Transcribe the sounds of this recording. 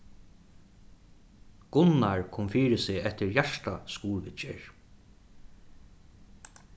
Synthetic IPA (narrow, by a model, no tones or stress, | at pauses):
ɡ̥ʊnːaɹkʰɔːmfiːɾɪsɪɛht̪ɪɹjaʂt̪askuːɾʋɪt͡ʃɪ̰ɹ